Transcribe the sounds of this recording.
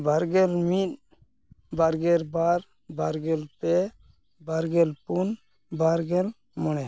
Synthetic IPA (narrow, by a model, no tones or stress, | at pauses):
baɾɡɛlmit̪̚ | baɾɡɛɾbaɾ | baɾɡɛlpɛ | baɾɡɛlpun | baɾɡɛl | mɔñɛ